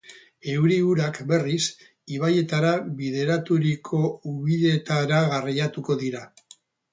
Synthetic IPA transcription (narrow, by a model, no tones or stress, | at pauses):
e̞wɾiuɾakbe̞ris | iβaje̞t̪aɾaβiðe̞ɾat̪uɾikʰo̞uβiðe̞t̪aɾaɣarijat̪uko̞ðiɾa